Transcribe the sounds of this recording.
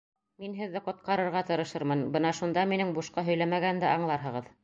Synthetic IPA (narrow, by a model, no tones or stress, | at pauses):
minɦɘ̆ðːɘqŏt̪̚qɑɾɤ̆ɾʁɑt̪ɤ̆ɾɤ̆ʃɤɾmɤnbɤnɑʃund̪ɑminɘŋbuʃqɑɦɵ̆jlæmæɡænd̪æʔɑɴlˠɑɾɦɤ̆ʁɤð